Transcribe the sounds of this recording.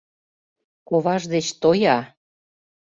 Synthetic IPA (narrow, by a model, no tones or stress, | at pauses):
koβɑʒd̪et͡ɕt̪ojɑ